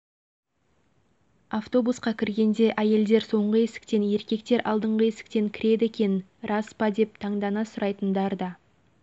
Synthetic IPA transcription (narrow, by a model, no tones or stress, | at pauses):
aft̪o̞busqɑkʲʰɪɾɡʲe̞nd̪e̞ʔæje̞ld̪e̞ɾso̞ɴʁəe̞sɪ̥kt̪e̞nje̞ɾkʲe̞k̚t̪e̞ɾʔɑ̰lˠd̪əɴʁəesɪ̥k̚t̪e̞ŋkʲʰɪ̥ɾe̞d̪ɪekʲe̞nrɑspɑd̪e̞p̚t̪ʰɑɴd̪ɑnɑsʊɾɑjt̪ənd̪ɑɾd̪ɑ